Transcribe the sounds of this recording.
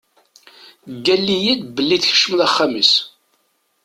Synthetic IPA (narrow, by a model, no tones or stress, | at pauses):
ɡːælːijæd̪bəlːiθçə̥ʃːəmðaχːaməs